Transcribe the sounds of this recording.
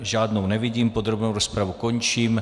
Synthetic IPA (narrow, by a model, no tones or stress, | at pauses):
ʒaːdnownɛvɪɟiːmpod̪ɾobnowɾospɾavukoɲt͡ʃiːm